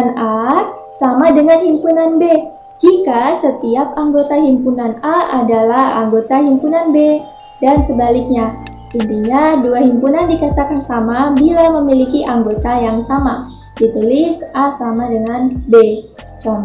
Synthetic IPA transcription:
na | samadəŋanhimpunanbe | d͡ʒikasət̪iap̚aŋɡot̪aɦimpunanaadalaha̰ŋɡot̪aɦimpunanbe | dansəbalik̚ɲa | unt̪iɲaduaɦimpunandikat̪akansamabilaməmilikiʔaŋɡot̪ajaŋsama | dit̪ulɪsʔasamadəŋanbe | t͡ʃɔm

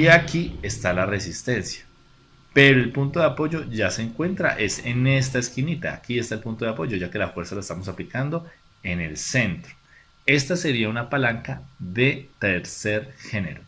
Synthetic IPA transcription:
iakiest̪alare̞sist̪e̞nsjḁ | pe̞ɾo̞e̞lpunt̪o̞ðeapo̞ʝo̞ʝase̞ːŋkwe̞nt̪ɾa̰ʔe̞sene̞st̪aeskinit̪aːkiest̪aelpunt̪o̞ðeapo̞ʝo̞ʝake̞lafwe̞ɾsalaest̪amo̞saplikand̪o̞ | e̞ne̞lse̞nt̪ɾo̥ | e̞st̪ase̞ɾiaunapalaŋkaðe̞t̪eɾse̞ɾxe̞ne̞̰ɾo

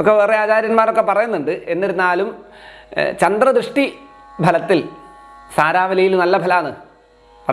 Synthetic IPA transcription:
okːeʋeːreaːt͡ɕaːɾjɐnmaːɾo̞kːe̞pɐrɐjunːuɳɖɨe̞nːiɾunːaːlum | t͡ɕɐnd̪rɐd̪ɾɨʂʈi | bʱɐlɐt̪ːilsaːɾaːʋɐlɐjilnɐlːɐbʱɐlaːɳɨ | pɐrɐ

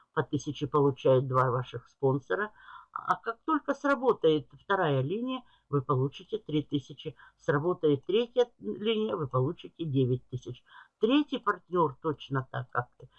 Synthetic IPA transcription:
pɐt̪ɨsʲɪt͡ɕɪpəlˠʊt͡ɕæjʊt̪̚d̪vavaʂɨxspo̞nsəɾəa̰kak̚t̪o̞lʲkəsrɐbo̞t̪əjɪt̪ft̪ɐɾajəlʲinʲɪjə | vɨpɐlˠut͡ɕɪtʲɪt̪ɾʲit̪ɨsʲɪt͡ɕɪsrɐbo̞t̪əjɪt̪ːɾʲetʲjəlʲinʲɪjəvɨpɐlˠut͡ɕɪtʲɪdʲevʲɪt̚ʲt̪ɨsʲɪt͡ɕt̪ɾʲetʲɪjpɐrtʲnʲort̪o̞t͡ɕnət̪a̰kːak̚t̪ɨ

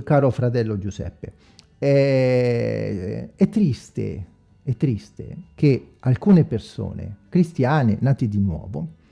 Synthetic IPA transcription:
kaːɾofɾat̪ɛlːod͡ʒusɛ̰pːe | ɛ | ɛt̪ːɾist̪ḛ | ɛt̪ːɾist̪ḛkealkuːneperso̰ːnḛkɾist̪jaːnenaːt̪id̪inwɔ̰ːvo

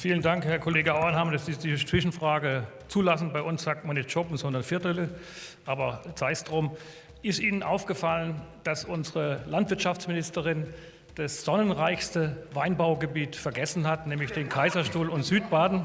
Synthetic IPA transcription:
fiːləndaŋkhɛɐkʰɔleːɡəaʊɐnhaːmdasz̥iːd̥iːt͡sv̥ɪʃn̩fʁ̥aːɡə | t͡suːlasn̩baɪʔʊnsz̥aːk̚tmanɪçtt͡ʃoːpnzɔndɐnfɪɐtələ | ʔaːbɐt͡saɪsd̥ʁoːm | ʔɪstʔiːnənʔaʊfɡ̥əfalənd̥asʔʊnzəʁəlantv̥ɪɐtʃaft͡smɪnɪstəʁɪn | d̥asz̥ɔnənʁaɪçstəvaɪnbaʊɡəbiːtfɛɐɡɛsn̩hatnɛːmlɪçd̥eːnkʰaɪzɐʃtuːlʊntz̥yːt̚b̥aːdn̩

